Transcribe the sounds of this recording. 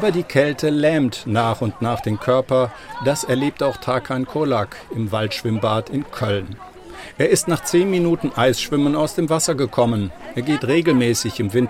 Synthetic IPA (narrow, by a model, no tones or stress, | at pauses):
ʔaːbɐdiːkʰɛltʰəlɛːmtnaːχʊntnaːχd̥eːmkʰœɐpɐ | d̥asɛɐleːp̚taʊxtʰaːkʰankʰolakɪmvaltʃv̥ɪmbaːtɪnkʰœln | ʔeːɐɪstnaːχt͡seːnminuːtn̩ʔaɪsʃv̥ɪmənaʊsd̥eːmvasɐɡəkʰɔmənʔeːɐɡeːtʁeːɡl̩mɛːsɪçɪmvɪnt